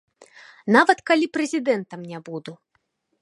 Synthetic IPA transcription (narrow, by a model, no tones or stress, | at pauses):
navɐt̪kalʲipɾɛzʲid̪ɛnt̪ɐmnʲabud̪u